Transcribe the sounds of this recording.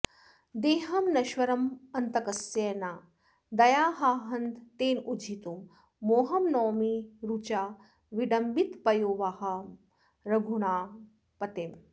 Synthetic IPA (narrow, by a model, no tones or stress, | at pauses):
d̪eːɦɐmnɐʃʋɐɾɐmɐnt̪ɐkɐsjenaː | d̪ɐjaːɦaːɦɐnd̪t̪eːnud͡ʒʱit̪umː | oːɦɐmnɔːmiɾut͡ʃaː | ʋiɖɐmbit̪pɐjoːʋaːhɐ̆ | ɾɐɡʱuɽaː | pɐt̪eːm